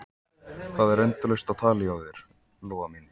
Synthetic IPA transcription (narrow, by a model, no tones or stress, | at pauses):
θaðɛɾɛnt̪lœɥst̪awt̪ʰaːlɪawðɪɾ̥ | lɔːvamin